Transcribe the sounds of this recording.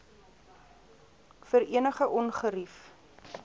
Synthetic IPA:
fəɾiənəχəʔɔnχəɾif

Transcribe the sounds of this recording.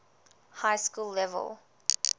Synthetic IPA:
haɪskuːlːɛvə̰lˠ

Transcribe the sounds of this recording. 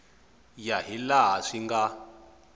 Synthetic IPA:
jaɦilaɦaʂiŋɡa

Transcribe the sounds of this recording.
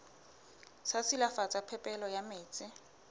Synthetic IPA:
sasilafat͡sʼapʰɛpʼɛlɔjameːt͡sʼɪ

